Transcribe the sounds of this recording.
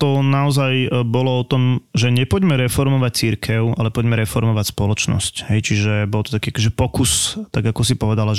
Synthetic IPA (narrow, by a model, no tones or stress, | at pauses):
t̪ɔnaɔzajbɔlɔɔt̪ɔmʒɛɲɛpɔɟmɛɾɛfɔɾmɔʋac̚t͡siɾkʰɛʊa̰lɛpɔɟmɛɾɛfɔɾmɔʋacspɔlɔt͡ʃnɔ̰scɦɛjt͡ʃiʒɛbɔlt̪ɔt̪akiːakɔʒɛpɔkust̪aɡakɔsipɔʋɛd̪alaʒ